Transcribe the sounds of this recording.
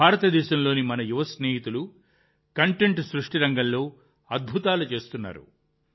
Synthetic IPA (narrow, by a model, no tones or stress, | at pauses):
bʱaːɾɐt̪ɐd̪ɛːʃɐmlo̞ːnimɐnɐjuʋɐsneːɦit̪ulu | kɐɳʈeɳʈsɾuʂʈiɾɐŋɡɐmlo̞ː | ɐd̪̚bʱut̪aːlut͡ʃe̞ːst̪unːa̰ːɾṵ